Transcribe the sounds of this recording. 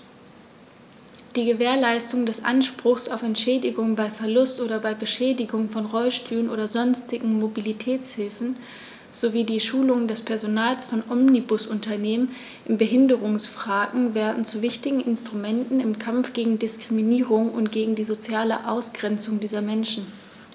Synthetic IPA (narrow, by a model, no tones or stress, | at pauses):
d̥iːɡəveːɐlaɪstʊŋdɛsʔa̰nʃpʁ̥ʊxsa̰ʊfɛntʃɛːdɪɡʊŋəbaɪfɛɐlʊstʔoːɾɐbaɪbəʃɛːdɪɡʊŋfɔnʁɔlʃtyːʁənʔo̰ːdɐzɔnstɪɡŋ̩mobilitʰɛːt͡shɪlfn̩ | z̥oviːdiːʃuːlʊŋəndɛspʰɛɐzonaːlsfɔnʔɔmnibʊsʔʊntɐneːmən | ʔɪmbəɦɪndəʁʊŋsfʁ̥aːɡŋ̩vɛːɐdn̩t͡suvɪçtɪɡŋ̩ɪnstʁ̥umɛntn̩ɪmkʰamfɡ̥eːɡŋ̩dɪskʁ̥iminiːʁʊŋʊ̰ntɡ̥eːɡŋ̩diːzot͡sjaːləʔaʊsɡ̥ʁɛnt͡sʊŋdiːzɐmɛnʃn̩